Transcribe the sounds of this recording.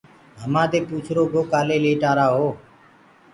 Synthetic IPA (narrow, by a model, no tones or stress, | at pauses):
ɦəmãːd̪eːpuːt͡ʃʰɾoːkoːkaːleːleːʈaːɾaːɦoː